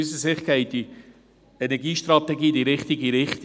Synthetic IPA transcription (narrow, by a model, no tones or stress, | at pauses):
ysəsɪχkɛɪdi | ɛnɛɡiːʃtɾɑt̪ɛɡiːd̪iɾɪχt̪iɡiɾɪχt̪